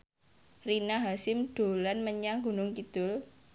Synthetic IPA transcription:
rinaɦasɪmɖ̪̥o̤lanməɲaŋɡunʊŋkid̪̥ʊl

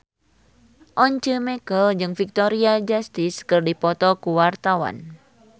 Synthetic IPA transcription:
ʔɔɲt͡ʃəmɛkəld͡ʒɨŋfik̚t̪ɔɾiad͡ʒast̪iskɨrdipɔt̪ɔkuwart̪awa̰n

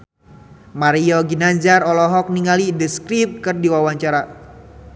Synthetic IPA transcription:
maɾiɔɡinaɲd͡ʒarɔlɔɦɔk̚niŋalidəskɾip̚kɨrdiwawaɲt͡ʃaɾa

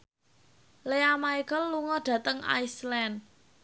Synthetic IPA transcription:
leamaiɡəlːuŋɔɖ̪̥ä̤t̪əŋʔa̰jslɛn

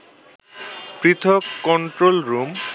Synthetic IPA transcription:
pɾit̪ʰɔkːɔɳʈɾolɾum

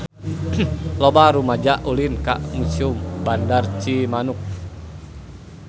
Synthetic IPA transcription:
lɔbaɾumad͡ʒaʔulinka̰ʔmusiumbandart͡ʃimanuk̚

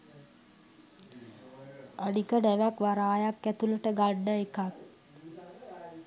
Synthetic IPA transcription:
aɖikəɖæʋækʋaɾaːjakːæt̪uləʈəɡaɖːəekak̪

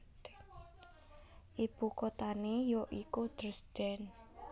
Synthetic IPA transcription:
ʔib̥ṳkot̪anejɔʔikud̪̥ɾəsd̪̥ɛ̤n

